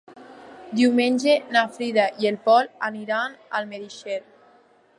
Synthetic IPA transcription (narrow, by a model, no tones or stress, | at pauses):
d̪iwmenʲʒenafɾiðaʔielpɔlaniɾanalmeðiʃel